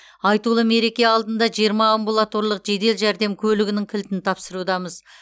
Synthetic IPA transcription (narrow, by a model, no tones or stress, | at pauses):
ɑjt̪ulˠəme̞ɾe̞kʲe̞ɑlˠd̪ənd̪ɑʒijəɾmɑːmbulˠat̪o̞ɾlˠəqʒe̞d̪e̞lʒæɾd̪e̞mkʲʰɵlɪɡʲɪnɪŋkʲʰɪlt̪ɪnt̪ʰɑpsəɾud̪ɑməz